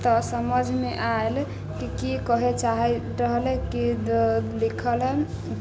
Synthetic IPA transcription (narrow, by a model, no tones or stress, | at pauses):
t̪ɔsəməd͡ʒʱmeʔael | kikikəɦet͡ʃaɦɛ | ɾəɦəlɛki | likʰəlɦɛ